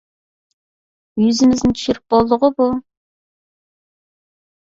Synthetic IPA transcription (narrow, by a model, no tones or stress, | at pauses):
jyzɪmɪznɪnt̪ʰy̥ʃʏɾɪp̚b̥olˠd̪ʊʁəbu